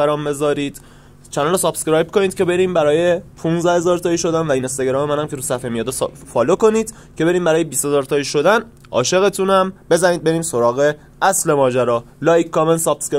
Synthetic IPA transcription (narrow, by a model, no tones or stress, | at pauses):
æɾɒːmbe̞zɒːɾiːd̪̥ | t͡ʃʰænnɾosɒːpskɾɒjbkʰoniːd̪̚cʰebe̞ɾiːmbæɾɒːjepʰunzd̪æhe̞zɒːɾt̪ɒːjiʃo̞d̪ænvæiːnest̪ɒɡeɾɒːmemænæmkʰe̞ɾuːsæfemijɒːd̪efɒːloko̞niːd̪̥ | cʰe̞be̞ɾiːmbæɾɒːjebiːshe̞zɒːɾt̪ʰɒːjiʃo̞d̪æn | ʔɒ̰ːʃe̞ɣe̞t̪ʰuːnæmbe̞zæniːd̪̚be̞ɾiːmso̞ɾɒːɣe | ʔæsle̞mɒːd͡ʒæɾɒːlɒːjkʰkːɒmensɒpske